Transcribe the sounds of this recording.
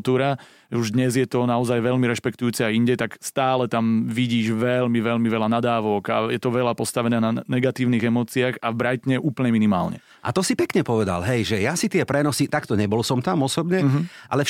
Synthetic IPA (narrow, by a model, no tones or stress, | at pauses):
t̪uːɾa | uʒd̪ɲɛzjɛt̪ɔnaɔzajʋɛʎmiɾɛʃpɛkt̪ujuːt͡sɛajiɲɟɛt̪akst̪aːlɛt̪amʋiɟiːʒʋɛlmiʋɛʎmiʋɛlanad̪aːʋɔɡa̰jɛt̪ɔʋɛlapɔst̪aʋɛnɛːnanɛɡat̪iːʊniːɣɛmɔːt͡siaɣavbɾajt̪ɲɛʔuːpl̩ɲɛminima̰ːlɲɛ̰ | ʔa̰t̪ɔsipɛkɲɛpɔʋɛd̪a̰lɦɛjʒɛjasit̪ɪɛpɾɛnɔsit̪akt̪ɔɲɛbɔlsɔmt̪amɔsɔbɲɛʔa̰lɛ